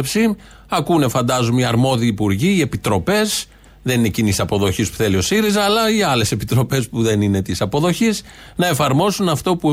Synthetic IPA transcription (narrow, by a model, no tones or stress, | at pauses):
psi | ɐkunefɐnd̪ɐzumiɐɾmo̞ðiːpuɾʝiie̞pit̪ɾo̞pe̞s | ðe̞nine̞cinisɐpo̞ðo̞çispu̥θe̞lio̞siɾizɐːlɐiɐle̞se̞pit̪ɾo̞pe̞spuðe̞nine̞t̪isɐpo̞ðo̞çis | nɐe̞fɐɾmo̞sunɐft̪o̞pu